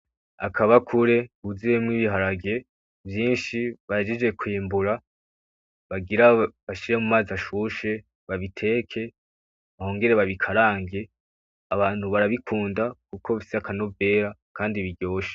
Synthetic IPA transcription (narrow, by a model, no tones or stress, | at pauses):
a̰kʰaβakʰuɾe̞uziemŋiβiɦaɾaɡe̞ | vjiːnʃiβaed͡ʒed͡ʒɡe̞kwiːmbuɾa | βaɡiɾaβaʃiɾe̞mumaziaʃuʃe̞ | βaβitʰe̞ːkʰe̞ | βaho̞ːŋɡe̞ɾe̞βaβikʰaɾaːŋɡe̞ | aβaːn̥huβaɾaβikʰuːndakuko̞βisiakano̞ve̞ːɾakaːndiβiɟo̞ːʃe̥